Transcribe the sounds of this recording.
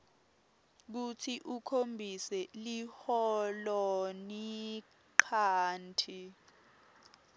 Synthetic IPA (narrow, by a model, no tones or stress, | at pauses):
k̬utʰiʔukʰombʱisɛlihɔlɔni | ǃʰaːntʰi